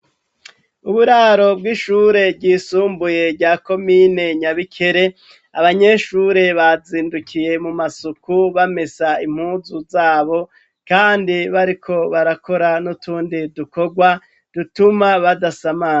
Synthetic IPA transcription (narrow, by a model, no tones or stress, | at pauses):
uβuɾaɾo̞bɡiːʃuːɾe̞bɟiːsuːmbuje̞ɾɟaːko̞mine̞ɲaβikʰe̞ɾe̞ | a̰βaɲe̞ʃuːɾe̞βaziːndukʰije̞mumasukuβame̞saim̥huːzuzaːβo̞ | kaːndiβaɾikʰo̞βaɾakʰo̞ɾanutʰuːndiduko̞ɡwa | d̥utumaβadasamaː